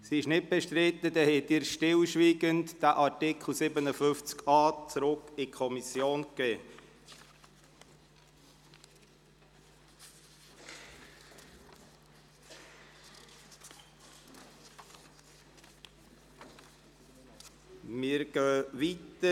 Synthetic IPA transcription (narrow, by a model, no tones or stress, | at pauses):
siɪʃnɪt̚b̥ɛʃtɾɪt̪ːəd̪ɛhɛt̪ːiːɾʃtɪlʃʋiːɡəntd̥æʔɑtɪkʰl̩ˠsɪbənəfʏft͡skɑːt͡sɾʊkɪkʰɔmisjoːnkːɛː | mɪɾɡ̥œːʋitə